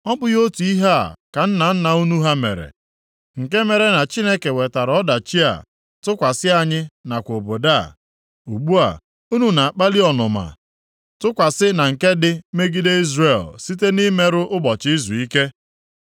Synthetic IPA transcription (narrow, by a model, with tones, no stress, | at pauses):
ɔ˦bʊ˦jo˦tu˨i˦ɦa˦a̰˨ka˨n̩˦na˨n̩˦na˨u˦nu˦ɦa˦mḛ˨ɾḛ˨ | ŋ̩˨ke˦me˨ɾe˨na˨t͡ʃi˦ne˦ke˨we˨ta˨ɾɔ˦da˨t͡ʃi˦a̰˨ | tʊ˦kʷa˨sɪ˦a˨ɲɪ˦na˨kʷo˨bo˨da˦˨ | u˨ɡ͡bu˦a̰˨ | u˦nu˨na˨a˨k͡pa˦li˦ɔ˨nʊ˨ma̰˨ | tʊ˦kʷa˨sɪ˦na˨ŋ̩˨ke˦dɪ˦me˦ɡi˦de˦i˦zre˨lsi˦te˦ni˦me˦ɾʊ˦ʔʊ˦bɔ˨t͡ʃi˦zu˨i˦ke˦